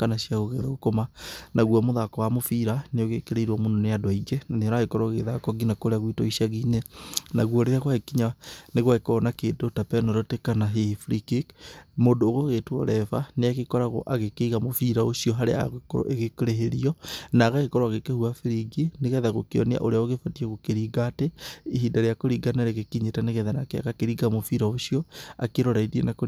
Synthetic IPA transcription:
kanasiaɣoɣeðaɣokomanaɣwamoðakɔwamofiɾaneoɣekeɾeiɾwamononeadwaiɡɛnaneɔɾaɣekɔɾoɣeðakɔɡinakoɾeaɣwitɔiʃjaɣinenaɣwɔɾeaɣwaekiɲaneɣwaekɔnakeːdotapɛnoɾɔtekanaɦefɾikikmondoːɣoɣetwɔ̰ɾɛfaneaɣekɔɾaɣo̰ʔaɣekeiɣamofiɾaoʃiɔɦaɾea̰ɣokoɾo̰ʔeɣekoɾeɦeɾiɔnaɣaɣekɔɾoaɣekehuafiɾiɡeneɣɛðaɣokeɔ̰nea̰ʔoɾeaoɣefatiɛɣokeɾiɡatɛiɦidaɾejakoɾiɡaneɾeɣekiɲetaneɣɛðanakea̰ɣakeɾiɡamofiɾaoʃiɔa̰keɾɔɾaidiḛnako

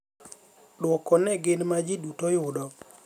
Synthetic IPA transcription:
ɗwɔkɔnɛɡɪnmad͡ʒidutɔjʊdɔ

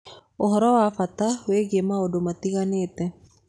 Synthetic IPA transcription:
oɦɔɾɔwafat̪aweɡemaodomat̪ikanet̪ɛ

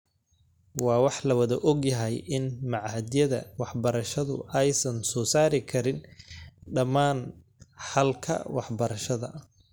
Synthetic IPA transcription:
wɑːwɑħlɐwɐðɐʔɔɡjɐɦɛjʔɪnmɑʕhɐd̪ɪjɐðɐ̰wɑħbɐɾɐʃɐðʊ̰ʔɛjsɐnsɔːsaːɾɪkʰɐɾɪn | ɖɐmaːn | ħɐlkʰɐ̰wɑħbɐɾɐʃɐðɐ̰

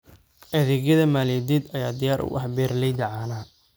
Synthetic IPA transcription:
ʔɐðɛːɣjɐðɐmaːlɛd̪iːd̪ɐjaːd̪ɪjaːɾʔʊ̰ʔɐ̰ɦbɛːrlɛjd̪ɐʕaːnaː

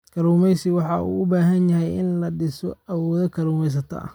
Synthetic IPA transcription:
kʰɐɾuːmɛjsɪwɑħɑṵːʔʊbaːɦɐnjɐɦɛjɪnlɐɖɪsɔɐwɔːðɐkʰɐɾuːmɛjs̬ɐt̪ʰɐ̰ɐ̰

